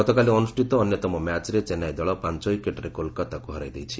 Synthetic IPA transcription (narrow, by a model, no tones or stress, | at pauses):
ɔt̪ɔkaliɔnusʈit̪ɔːnjɔt̪ɔmɔmat͡ʃɾet͡ʃenajd̪ɔɭɔpant͡ʃɔikeʈɾekolkat̪akuɦɔɾajd̪ejt͡ʃʰi